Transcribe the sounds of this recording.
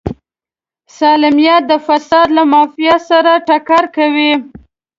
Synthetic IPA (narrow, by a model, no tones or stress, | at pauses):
sɑlɪmijat̪̚d̪əfasɑd̪lamɑfijasaɾaʈakɑɾkawi